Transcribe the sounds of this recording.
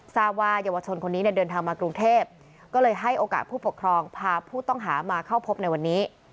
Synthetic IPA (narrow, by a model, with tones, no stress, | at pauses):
saː˥˩p̚waː˥˩ja˧wa˧t͡ɕʰo˧nkʰo˧nːiː˦ni˥˩dɤː˧nt̪ʰaː˧ŋmaː˧kɾu˧ŋt̪ʰeː˥˩p̚ | kɔː˥˩lɤː˧jɦa˥˩jʔoː˧ka̰ː˨˩t̪̚pʰuː˥˩po˨˩kʰɾɔː˧ŋpʰaː˧pʰuː˥˩t̪ɔ˥˩ŋɦaː˩˦maː˧kʰa˥˩wpʰo˦˥p̚na˧jwa˧nːiː˦˥